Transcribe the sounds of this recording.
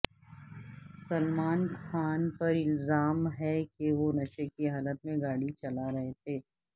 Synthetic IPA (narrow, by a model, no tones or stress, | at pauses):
sɐlmaːnxaːnpɐɾɪlzaːmɦɛkeʋonɐʃekiɦaːlət̪̚mẽɡaːɽit͡ʃɐlaɾɐɦet̪ʰeː